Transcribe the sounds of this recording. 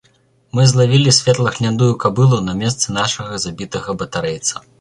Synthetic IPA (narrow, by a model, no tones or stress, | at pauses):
mɨzlˠavʲilʲisʲvʲɛt̪lˠɐxlʲand̪ujukabɨlˠunɐmʲɛst̪sɨnaʂɐɣɐzabʲit̪ɐɣɐbɐt̪aɾɛjt̪sɐ̥